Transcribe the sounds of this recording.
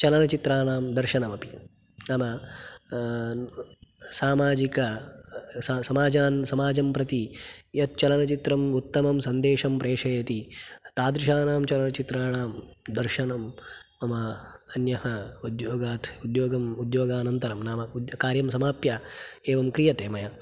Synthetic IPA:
t͡ʃɐlɐnɐt͡ʃit̪ɾaːnaːmd̪ɐɾʃɐnɐmɐpi | naːmɐ | saːmaːd͡ʒikɐ | ssɐmaːd͡ʒaːnsɐmaːd͡ʒɐmpɾɐt̪ijɐt̪̚t͡ʃɐlɐnɐt͡ʃit̪ɾɐmut̪ːɐmɐmsɐnd̪eːʂɐmpɾeːʂɐjɐt̪it̪aːd̪ɾiʃaːnaːmt͡ʃɐlɐnɐt͡ʃit̪ɾaːɳaːmd̪ɐɾʃɐnɐm | ɐmɐɐnjɐhɐud̪joːɡaːt̪ʰud̪joːɡɐmud̪joːɡaːnɐnt̪ɐɾɐmnaːmɐkaːɾjɐmsɐmaːpjaeːʋɐmkɾijɐt̪eːmɐjɐ

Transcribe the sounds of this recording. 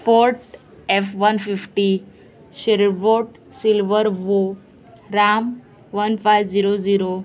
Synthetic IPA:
foɾʈ | efʋənfifʈi | ɕeɾʋoʈ | silʋəɾʋo | ɾam | ʋənfajʋd͡ziɾod͡ziɾo

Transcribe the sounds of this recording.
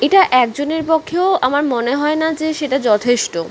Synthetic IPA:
eʈaʔɛk̚d͡ʑoneɾpokʰːeoamaɾmoneɦɔenad͡ʑeʃeʈad͡ʑɔt̪ʰeʃʈo

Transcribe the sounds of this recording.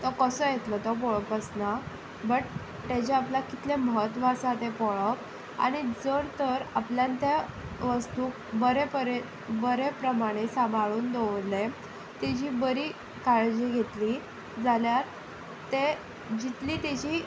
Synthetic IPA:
t̪ɔkəsəːjet̪lɔt̪ɔp̬ɔɭəpəsna | bəʈ | t̪ad͡ʑeaplakit̪leməɦət̪ʋasãt̪epɔɭəp | a̰ɽ̃id͡zəɾt̪əɾapljãnt̪ja | ʋəst̪uːkbəɾepəɾe | bəɾepɾəmaɽ̃esambʱaɭuːnd̪oʋle | t̪ed͡ʑiːbəɾiː | kaɭd͡ʑiɡʱet̪li | d͡zaljaɾ | t̪e | d͡ʑit̪liːt̪ed͡ʑiː

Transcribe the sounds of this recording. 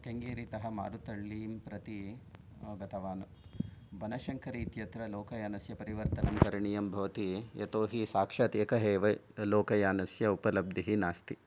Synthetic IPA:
keŋɡeːɾit̪ɐɦɐma̰ːɾut̪ɐɭːiːmpɾɐt̪i | ɡɐt̪ʰɐʋaːnu | bɐnɐʃɐŋkʰɐɾiːt̪jɐt̪ɾɐloːkɐjaːnɐsjɐpɐɾiʋɐɾt̪ɐnɐmkɐɾɐɳijɐmbʱɐʋɐt̪ijɐ̰t̪oːɦisaːkʂaːt̪jɐkɐɦeːʋɐ | loːkɐjaːnɐsjɐupɐlɐb̚d̪iɦinaːst̪i

